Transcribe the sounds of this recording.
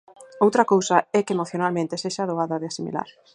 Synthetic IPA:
owt̪ɾɐkowsɐɛkeemoθjonalmẽnt̪ɪseʃaðoɣaðɐðeasimḭla̰ɾ

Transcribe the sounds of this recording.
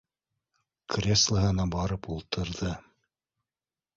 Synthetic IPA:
krʲeslˠəɦɤ̆nɑbɑɾɤpulˠt̪ʰɤ̆ɾðɤ

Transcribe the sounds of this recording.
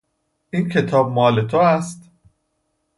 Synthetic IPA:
ʔiːncʰe̞t̪ʰɒːb̚mɒːle̞t̪ʰoæst̪

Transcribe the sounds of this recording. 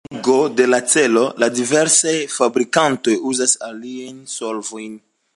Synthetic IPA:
ɡo̞de̞lat͡se̞lo̞ladive̞ɾsajfabɾikanto̞juzasaliajnso̞lvo̞jn

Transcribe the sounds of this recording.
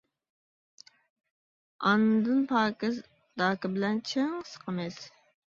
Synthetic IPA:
ɑ̰nːɨd̪ɨnpʰɑːkɪz | d̪ɑːkɪbɪlɛnt͡ʃʰɪŋsə̥qʰəmɪs

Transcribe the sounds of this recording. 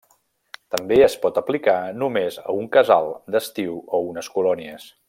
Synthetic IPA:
t̪əmbeəspɔt̪əplikanumezə̰uŋkəzalˠd̪əst̪iwounəskulɔniəs

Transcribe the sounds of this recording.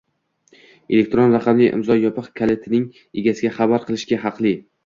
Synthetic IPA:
elek̚ʲt̪ɾonɾaqʰɑmliʔɪ̰mzɒjɒpɨqkʲʰalet̪ʰɪnɪŋ | eɡʲasɪɡʲaχabaɾqʰɨlˠɪʃɡʲaɦɑqlˠɪ

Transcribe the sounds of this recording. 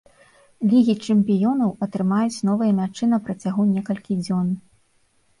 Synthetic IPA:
lʲiɣʲit͡ʂɛmʲpʲijɔnɐwɐt̪ɾɨmajut͡sʲnɔvɨjɐmʲat͡ʂɨnɐpɾɐt͡sʲaɣunʲɛkɐlʲkʲid͡zʲɔn

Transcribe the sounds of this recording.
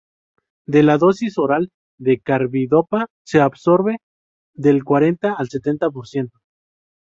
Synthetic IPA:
d̪e̞laðo̞siso̞ɾal | d̪e̞kaɾβiðo̞pa | se̞aβso̞ɾβe̞ | ðe̞lkwaɾe̞nt̪aːlse̞t̪e̞nt̪ap̬o̞ɾsje̞nt̪o

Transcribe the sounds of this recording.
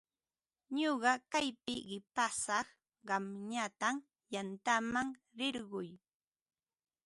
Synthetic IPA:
ɲoɢɑkajpɪɢɪpasɑχ | ɢɑmɲat̪am | jant̪amaŋ | ɾɪɾɢʊj

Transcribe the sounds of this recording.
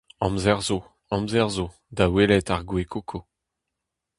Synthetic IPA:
ɑ̃mzɛʁzo | ɑ̃mzɛʁzo | d̪awelɛt̪aʁɡwekʰokʰo

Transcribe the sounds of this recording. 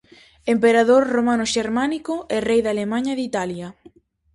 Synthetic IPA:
empeɾaðoɾromanʊʃeɾmanikoʔɛrejðalemaɲɐðit̪aljɐ

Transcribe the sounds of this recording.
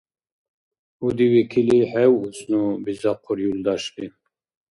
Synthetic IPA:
ud̪iwikʰilihɛwusnubizɑqʰɔɾjuld̪ɑʃbi

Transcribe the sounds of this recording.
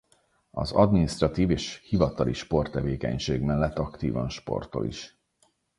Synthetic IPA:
ɒ̰zɒd̪minist̪rɒt̪iːveːʃhivɒt̪ɒliʃpo̞rt̪ːɛveːkɛ̰ɲʃeːɡmɛlːɛt̪ːɒkt̪iːvɒnʃpo̞̰rt̪o̰lʔḭʃ

